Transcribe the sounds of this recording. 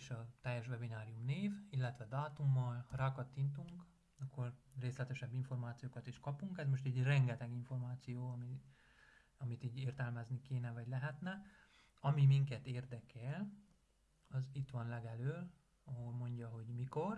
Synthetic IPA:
ʃɒt̪ɛjːɛʃʋvɛbinaːɾijumneːvilːɛt̪ʋɛd̪aːt̪umːɒlraːkɒt̪ːint̪uŋk | ɒkʰːo̞rreːst̪lɛt̪ɛʃɛbːiɱfo̞rmaːt̪sijoːkɒt̪iʃkɒpuŋkɛzmo̞ʃt̪ɛɟrɛŋɡɛt̪ɛɡiɱfo̞rmaːt̪sijoːɒmi | ɒmit̪iːɟeːrt̪ɛlmɛznikeːnɛvɒɟlɛɦɛt̪nɛ | ɒmimiŋkɛt̪eːrd̪ɛkɛl | ɒzit̪ʋɒnlɛɡɛløːl | ɒɦolmo̞ɲɟɒɦo̞ɟmiko̞r

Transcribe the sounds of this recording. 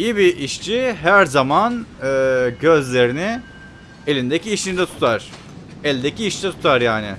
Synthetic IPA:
ijibiʔiʃt͡ʃʰiɦæɾzamanɯːɟø̞zlʲe̞ɾinɪ | elʲind̪ecʰiːʃind̪ɛt̪ʰu̥t̪ʰaɾ̥ | ɛlʲd̪ecʰiːʃd̪ɛt̪ʰu̥t̪ʰaɾjaːnɪ

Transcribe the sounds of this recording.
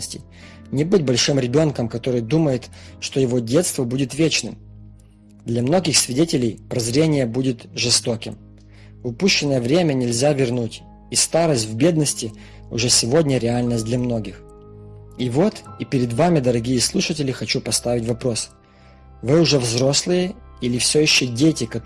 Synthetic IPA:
sʲtʲɪ̰j | nʲɪbɨtʲbɐlʲʂɨmɾʲɪbʲo̞nkəmkɐt̪o̞ɾɨjd̪uməjɪt̪ʂt̪o̞jɪvo̞dʲe̞t̪st̪vəbudʲɪt̪vʲet͡ɕnɨm | d̪lʲɐmno̞ɡʲɪxsvʲɪdʲetʲɪlʲɪjpɾɐzɾʲenʲɪjəbudʲɪt̪ʐɨst̪o̞kʲɪm | ʊpuɕːɪnːəjəvɾʲemʲənʲɪlʲzʲavʲɪrnutʲ | ist̪aɾəsʲtʲvbʲe̞d̪nəsʲtʲɪ | ʊ̰ʐɛsʲɪvo̞dʲnʲəɾʲɪalʲnəsʲt̚ʲd̪lʲɐmno̞ɡʲɪx | ivo̞t̪ipʲɪɾʲɪd̪vamʲɪd̪əɾɐɡʲijəslˠuʂətʲɪlʲɪxɐt͡ɕupɐst̪avʲɪtʲvɐpɾo̞s | vɨʊʐɛvzɾo̞slˠɨjəilʲɪfsʲojɪɕːodʲetʲɪkɐ

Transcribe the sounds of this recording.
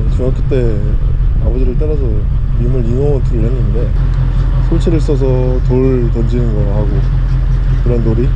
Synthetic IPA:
t͡ɕɯŋak͈ɯt͈e̞ | abʌd͡ʑiɾɯɭt͈aɾasʰʌ | imɯɭinoŋʌtʰʌkʰɯɭhenːɯnde̞ | sʰoɭt͡ɕʰiɾɯɭis͈ʌs̬ʰʌ | toɭ | tʌnd͡ʑinɯnɡʌɦaɡo | kɯɾʌnːoɾi

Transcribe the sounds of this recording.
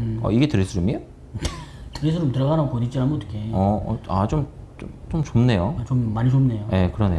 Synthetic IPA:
ʌ̰iɡe̞tɯɾesʰɯɾumio | tɯɾes̬ʰɯɾɯmtɯɾʌɣanaɡopoɲit͡ɕianmʌt͈ʰːɯ̥kʰeʌat͡ɕomt͡ɕomt͡ɕomt͡ɕomne̞jot͡ɕomːaɲit͡ɕomne̞joje̞kɯɾʌneo

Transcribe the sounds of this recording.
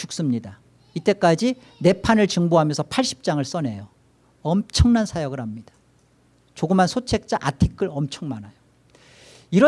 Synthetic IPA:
t͡ɕʰuk̚s͈ɯmɲida | it͈e̞k͈ad͡ʑi | ne̞pʰanɯɭt͡ɕɯŋboɦamjʌnsʰʌpʰaɭɕ͈i̥p̚t͡ɕ͈aŋɯɭs͈ʌne̞jo | ʌmt͡ɕʰʌŋnansʰajʌɡɯɾhamɲid̥ḁ | t͡ɕoɡɯmɦansʰot͡ɕʰe̞k̚t͡ɕ͈aʔatʰik͈ʰɯɾʌmt͡ɕʰʌŋmanajo | iɾʌ

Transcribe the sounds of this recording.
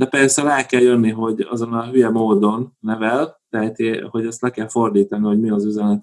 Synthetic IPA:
d̪ɛpɛrsɛlaːkɛljønːiɦo̞ɟɒ̰zo̞nːɒlɦyjɛmoːd̪o̞nːɛvɛlt̪ɛɦɛt̪eho̞ɟɛst̪lɛkɛlfo̞rd̪iːt̪ɒniho̞ɟmiɒzyzɛnɛt̪

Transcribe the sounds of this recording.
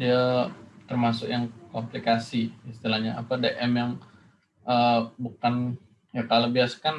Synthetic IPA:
diat̪ərmasʊkjaŋkomplikasiist̪ilahɲaa̰padeʔɛmjaŋ | ʔəbukan | jakalobiasḁkan

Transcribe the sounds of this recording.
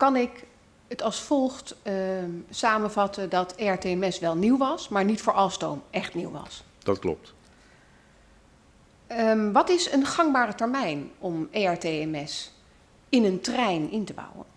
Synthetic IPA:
kɑnɪk | ətɑlˠsfɔlˠχt | saːmənvɑtəndɑteɛɹteɛmɛsʋɛlˠniwʋɑsmaːɹnitfʊːɹʔɑlˠstowmʔɛχtniwʋɑ̰s | d̥ɑtklɔ̰p̚t | ʋɑtɪsənχɑŋbaːrətɛɹmɛjnɔmeɛɹteɛmɛs | ɪnəntrɛjnɪntəbʌ̰wə̰n

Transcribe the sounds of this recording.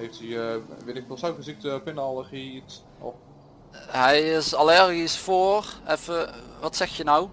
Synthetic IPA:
heftiʋɪnɪkfɔsawkəzik̚təpɪnalˠəχiits | ɔ̰ | ɦɛjɪsalɛrɣisfoːrɛfəʋɑtsɛxjənaw

